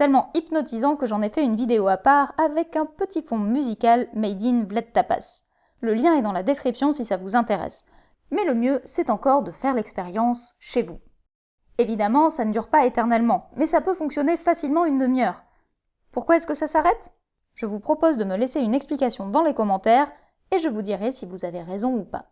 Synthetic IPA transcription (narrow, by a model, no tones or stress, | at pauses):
t̪ɛlmɑ̃ipnɔt̪izɑ̃kəʒɑ̃nɛfɛynvid̪eoapaʁavɛkɛ̃pət̪ifɔ̃myzikalmɛjd̪invlat̪t̪ːapa̰s | ləljɛ̃ɛd̪ɑ̃lad̪eskχipsjɔ̃sisavuzɛ̃t̪eʁɛ̰s | mɛləmjøsɛt̪ɑ̃kɔʁd̪əfɛʁlɛkspeʁjɑ̃sʃevu | evid̪amɑ̃sanəd̪yʁpaet̪ɛʁnɛlmɑ̃mɛsapøfɔ̃ksjɔnefasilmɑ̃ynd̪əmjœːʁ | puʁkwaɛskəsasaʁɛt̪ | ʒ̥əvupχɔpozd̪əməleseynɛksplikasjɔ̃d̪ɑ̃lekɔmɑ̃t̪ɛʁ | eʒəvud̪iʁɛsivuzaveʁezɔ̃upa̰